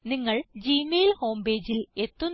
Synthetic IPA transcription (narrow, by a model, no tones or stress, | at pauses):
niŋːɐɭd͡ʑiːmeːlho̞ːmbe̞ːd͡ʑile̞t̪ːun